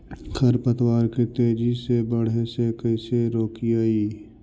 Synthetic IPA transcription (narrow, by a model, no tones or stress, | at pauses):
kʰəɾpət̪waːɾket̪eːd͡ʒisebəɽ̤esekəiseɾoːkiaːiː